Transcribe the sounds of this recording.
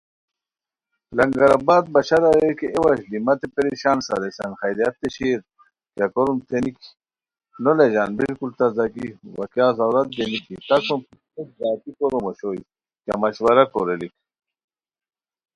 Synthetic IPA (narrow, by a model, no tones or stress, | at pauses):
lɐŋɡɐɾabaːd̪̚bɐɕɐɾaɾeikeʔewaɕlimɐt̪epeɾiɕaːnsa̰ɾesɐ̰nxɐjɾjɐt̪ːeɕiːɾ | kakoɾumt̪ʰeniki | noleʑaːnbilkult̪ɐzakiwa̰kjaːzawɾɐt̪̚d̪enikit̪akomi | uszaːkikoɾomoɕoi | ka̰mɐɕwɐɾakoɾelik̚